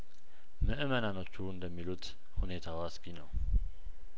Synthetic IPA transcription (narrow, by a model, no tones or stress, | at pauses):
məʔɨmənanot͡ʃːund̪əmːilut̪ | hunet̪ʰawaskinow